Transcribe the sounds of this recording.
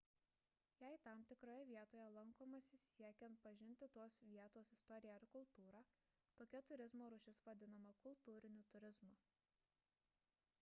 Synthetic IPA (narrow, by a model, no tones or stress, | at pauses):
jæɪt̪ɑˑmt̪ʲɪkɾoːjɛʋʲiɛt̪oːjɛlˠɐŋkoːmɐsʲɪsʲiɛkʲɛnt̪̚pɐʒʲɪnʲt̪ʲɪt̪oɔsʋʲiɛt̪oːsɪst̪ɔɾʲɪjɛɪɾkʊlˠˑt̪uːɾɑː | t̪oːkʲɛt̪ʊɾʲɪzmoːɾʊʃʲɪsʋɐd̪ʲɪnɐmɐkʊlˠt̪uːɾʲɪnʲuːt̪ʊɾʲɪzmɑ